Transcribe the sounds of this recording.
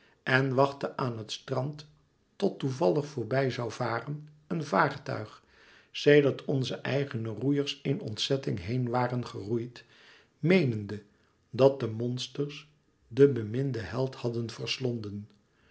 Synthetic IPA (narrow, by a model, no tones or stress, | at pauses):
ʔɛnʋɑχtəʔaːnɦətstrɑntː | ɔtuvɑləχfʊːɹbɛjzɑwvaːrən | ənvaːrtœ̰ɥχ | sejdəɹtʰɔnzəʔɛjχənərujəɹsɪnɔ̰ntsɛtɪŋɦejnʋaːrənχərujt | mejnəndə | dɑt̚dəmɔnstərs | dəbəmɪndəɦɛlˠthɑdənvəɹslɔndən